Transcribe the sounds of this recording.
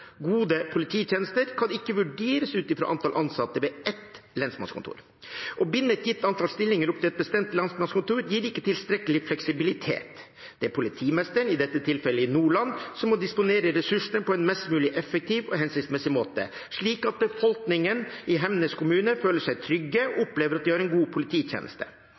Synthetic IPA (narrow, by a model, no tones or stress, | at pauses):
ɡuːd̪əpʰʊlɪt̪ʰiːt̪jɛːnəst̪əɾkʰɑnɪkːəʋʉɖeːɾəsʉːt̪ɪfɾo̰ʔɑ̰nt̪ʰɑlʔɑnsɑt̪ːəʋɛʔɛt̪lɛnsmɑ̰nskʰʊnt̪ʰṵːɾ | ʔɔbʏnːəɛt̪jɪt̪ːɑnt̪ʰɑlst̪ɪlːɪŋəɾɔp̪̚ʰɪlɛt̪̚bəst̪ɛmt̪lɑnsmɑnskʊnt̪uːɾjiːɾɪkːət̪ʰɪlst̪ɾɛkəlɪflɛksɪbɪlɪt̪ʰḛːt̪ | d̪̥ɛæɾpʰʊlɪt̪ʰiːmɛst̪əɳɪd̪ɛt̪ːət̪ʰɪlfɛlːəɪnuːɭɑnːsɔmːɔd̪ɪspʊneːɾəɾɛsʉʂəɳpʰɔɛnmɛst̪mʉːlɪʔɛfək̚t̪ʰiːʋɔɦɛnsɪnsmɛsɪmoːt̪ə̰ | ʂɭiːkɑt̪̚bəfɔlknɪŋənɪɦɛmnəskʰʊmʉːnəføːləʂæɪt̪ʰɾʏɡːəɔɔpleːʋəɾɑt̪̚d̪ɪhɑɾɛnɡuːpʰʊlɪt̪ʰiːçjḛːnə̰st̪ə̥̰